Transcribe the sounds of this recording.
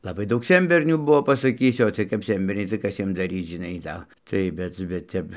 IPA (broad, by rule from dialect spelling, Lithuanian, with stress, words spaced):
lˠɐˈbɐɪ ˈdɐʊk ˈsʲɛnʲbʲɛrʲnʲuː ˈbʊʋoː pɐsɐˈkʲiːsʲʊ oː ˈt͡sʲɪɜj kɐp ˈsʲɛnʲbʲɛrʲnʲɛɪ tɐɪ ˈkɐs ˈjiɛm dɐˈrʲiːt͡s ʒʲɪˈnɐɪ ˈdɐ tɐɪ ˈbʲɛt bʲɛt ˈtʲɛp